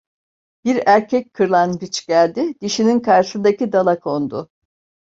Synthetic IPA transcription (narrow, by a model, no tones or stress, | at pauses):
b̥iɾæɾcʰɛckʰɯɾlˠanbit͡ʃɟælʲd̪ɪd̪iʃininkʰaɾʃɯnd̪acid̪alˠakʰo̞nd̪ʊ